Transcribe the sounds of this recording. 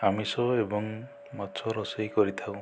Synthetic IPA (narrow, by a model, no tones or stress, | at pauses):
amisɔebɔŋ | mat͡ʃʰɔɾɔsɔjkɔɾit̪ʰaw̃